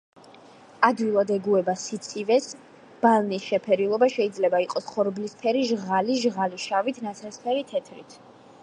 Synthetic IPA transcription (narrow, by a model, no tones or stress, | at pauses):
ad̪wilˠad̪ɛɡuɛbasit̪sʼʰivɛs | b̥alˠnisʃɛpʰɛɾilˠɔbaʃɛid̪zlɛbaiqʼɔsχɔɾblispʰɛɾiʒʁaliʒʁaliʃavit̪ʰnat̪sʰɾɛspʰɛɾit̪ʰɛt̪ʰɾḭt̪ʰ